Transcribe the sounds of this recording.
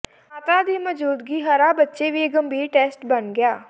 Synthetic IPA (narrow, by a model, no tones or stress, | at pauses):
ət̪ãːd̪iːməd͡ʒuːd̪ɡiːɦəɾaːbətːʃeːʋiːeɡəmbiːɾʈɛːsʈbənɡɪjaː